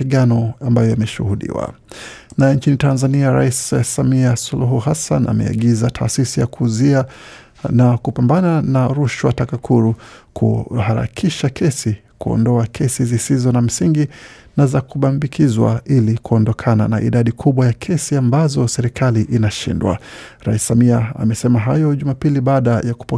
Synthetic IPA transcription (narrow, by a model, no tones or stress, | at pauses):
iɠanɔambajɔimɛʃuhuɗḭwa̰ | naɛɲt͡ʃinitanzaniaɾa̰issamiasuluɦuɦasanʔa̰mɛ̰a̰ɠizatʰa̰ːsisijakʰuzi | nakupambananaɾuʃwatakakʰuɾukʰṵhaɾa̰kʰiʃakʰɛsi | kuɔ̰ndɔakʰɛsizisizɔnam̩siŋɡi | nazakuɓambikʰizwa̰ilikuɔndɔkʰana̰na̰ʔḭɗaɗikʰuɓwajakʰɛsiambazɔsɛɾikʰaliʔinaʃḭndwa̰ɾaissamiaa̰mɛsɛmaɦajɔʄumapiliɓaːɗajaku̥pɔ